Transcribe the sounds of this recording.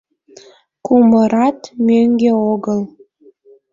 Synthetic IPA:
kuməɾɑt̪mʲøŋɡʲeoɡəl

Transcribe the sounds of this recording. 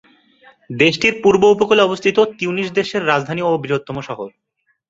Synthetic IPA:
d̪eʃʈiɾpuɾboupokoleɔbost̪ʰit̪ot̪iuniʃ̬d̪eʃeɾːad͡zd̪ʱaniobɾiɾot̪ːɔmoʃɔɦoɾ

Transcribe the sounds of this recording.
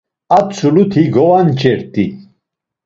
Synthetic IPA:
at͡sʰulut̪ʰiɡɔwant͡ʃʼɛɾt̪ʼi

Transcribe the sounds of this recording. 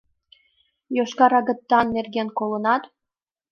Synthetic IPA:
joʃkɑɾɑɣə̆t̪ːɑnːerɣenkolənɑt̪

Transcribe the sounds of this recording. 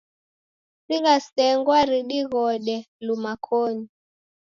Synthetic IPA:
siɣasɛŋɡwaɾiɗiɣɔɗɛ | lumakʰɔɲi

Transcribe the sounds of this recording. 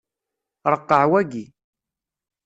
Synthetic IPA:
ɾˤəqːəʕwæɡi

